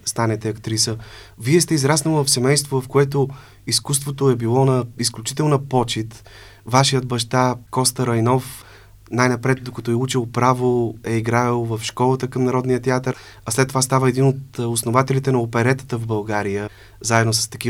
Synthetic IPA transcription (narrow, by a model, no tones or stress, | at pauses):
st̪anɛt̪ɛɐkt̪ɾisəviɛst̪ɛizɾasnovɐfsɛmɛjst̪vovɐfkoɛt̪̬o | iskust̪vot̪oɛbilˠɔnɐisklʲut͡ʃit̪ɛlˠnəpɔt͡ʃit̪ | vaʃijəd̪̚bɐʃt̪akɔst̪əɾɐjnɔf | najnɐpɾɛt̪̚d̪okɐt̪ɔɛut͡ʃilˠpɾavoɛiɡɾalˠvəfʃkɔlˠət̪əkəmnɐɾɔd̪nijət̪ɛat̪əɾ | ɐslɛt̪ːovast̪avəɛd̪inot̪osnovat̪ɛlit̪ɛnɐopɛɾɛt̪ə̥t̪əvbɐlˠɡaɾijə | zaɛd̪nosə̥st̪ɐkʲi